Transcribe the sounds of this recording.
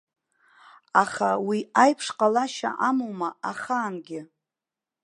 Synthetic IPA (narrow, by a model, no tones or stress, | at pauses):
aχawiajpʰʂqʼalaʃa̰ʔamowmaaχaːnɡʲɪ